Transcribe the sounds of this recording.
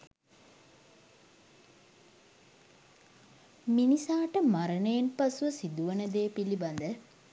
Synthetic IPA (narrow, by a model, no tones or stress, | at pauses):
minisaːʈəmaɾəɳejenpasuʋəsid̪uʋənəd̪eːpiliband̪ə